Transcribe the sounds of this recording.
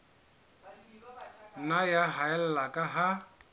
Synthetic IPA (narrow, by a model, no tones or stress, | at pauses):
najaɦaɛl̩lakʼaɦa